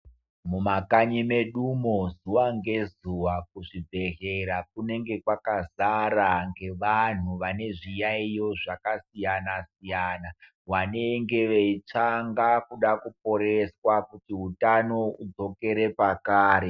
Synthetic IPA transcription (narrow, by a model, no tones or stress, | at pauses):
mumakaɲime̞ɗumozuwaŋɡe̞zuwakuʐibʱe̞ɦeɾak̚une̞ŋɡe̞kwakazaɾaŋɡe̞ʋan̤uʋane̞ʐijaijo̞ʐakasijanasijaːna | waneŋɡe̞ʋeit͡ʂaŋɡakuɗakup̚o̞ɾeswakutiɦutano̞ud͡zo̞ke̞ɾe̞pakaːɾe